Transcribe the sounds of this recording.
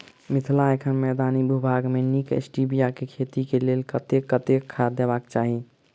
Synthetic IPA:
mit̪ʰlaekʰənmɛd̪anibubʱaɡmenikḛsʈibijakekʰet̪ikelelkət̪ekət̪ekʰad̪ebakt͡ʃaɦi

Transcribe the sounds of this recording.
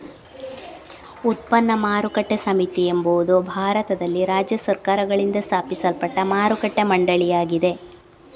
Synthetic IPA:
ut̪̚pɐnːɐmaːɾukɐʈːesɐmit̪iembuʋud̪ubʱaːɾɐt̪ɐd̪ɐlːiɾaːd͡ʒjɐsɐɾkaːɾɐɡɐɭind̪ɐst̪ʰaːpisɐlpɐʈːɐmaːɾukɐʈːemɐɳɖɐɭijaːɡid̪e̞

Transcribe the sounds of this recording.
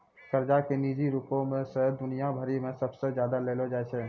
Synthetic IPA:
kəɾd͡ʒakenid͡ʒiɾupõmẽsəɦd̪ʊnijabʱəɾimẽsəbsed͡ʒjad̪aleːlɔd͡ʒaɛt͡ʃʰɛ

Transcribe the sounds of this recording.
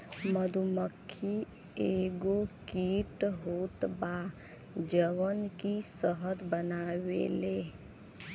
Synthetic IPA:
məd̪uməkʰːi | eːɡokiːʈɦoːt̪ba | d͡ʒəwənkisəɦət̪bənawḛleː

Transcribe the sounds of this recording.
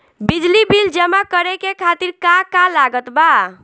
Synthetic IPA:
bid͡ʒlibild͡ʒəmakəɾekekʰat̪iɾkakalaɡət̪ba

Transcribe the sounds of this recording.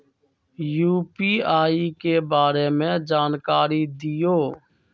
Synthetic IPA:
juːpiːaːiːkeːbaːɾeːmẽːd͡ʒaːnkaːɾiːd̪ɪjoː

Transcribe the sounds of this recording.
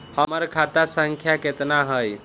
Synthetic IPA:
həməɾkʰat̪asəŋkʰjaket̪naɦəj

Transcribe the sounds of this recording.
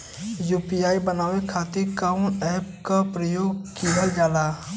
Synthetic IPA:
juːpijaːibənaːwekʰaːt̪ɪɾkaʊnɛːp̚kapɾəjoːɡkiːɦəld͡ʒaːlaː

